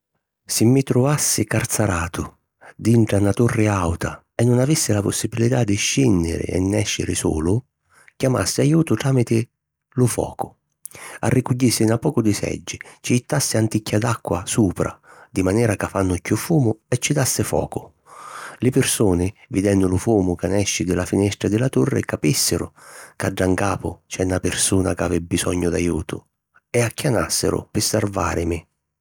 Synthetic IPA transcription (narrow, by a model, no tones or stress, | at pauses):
sɪmːɪt̪ɾʊvasːɪkart̪saɾaːt̪ʊ | d̪iɳʈɽanat̪urːɪawt̪ʰa | ɛnːʊnavisːɪlapʊsːibilit̪ad̪ɪʃːinːɪ̰ɾɪ̰ɛ̰nːɛʃːɪ̰ɾɪ̰sṵːlʊ | kjama̰sːɪajuːt̪ʊt̪ɾaːmɪt̪ɪ | lʊfɔ̰ːkʊ | a̰rːʔikuɟːisːɪnapːɔːkʊd̪ɪsɛ̰d͡ʒːɪt͡ʃɪjit̪ːasːɪant̪icʰːad̪akːwa̰suːpɾa̰d̪imanɛːɾakafanːʊkːufuːmʊɛt͡ʃːid̪asːɪfɔ̰ːkʊ | lɪpɪrsuːnɪvid̪ɛnːʊlʊfuːmʊkanɛʃːɪd̪ɪlafinɛst̪ɾad̪ɪlat̪urːɪ̰kapisːɪɾʊ̰kaɖːaŋkaːpʊt͡ʃɛnːapɪrsuːnakavɪbːisɔɲːʊd̪ajuːt̪ʊ̰ | ɛakːjanasːɪ̰ɾʊ̰pɪsːarva̰ːɾɪmɪ